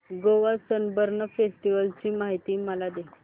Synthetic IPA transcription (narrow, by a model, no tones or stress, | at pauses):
ɡoʋasənbəɾnəfesʈiʋəlt͡ɕiːmaɦit̪iːməlad̪e